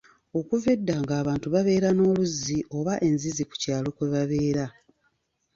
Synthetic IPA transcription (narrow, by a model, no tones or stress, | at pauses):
o̞kuve̞dːaŋɡaːβaːntuβaβe̞ːɾano̞ːluziʔo̞βaʔe̞nziziku̥caːlo̞kweβaβe̞ːɾa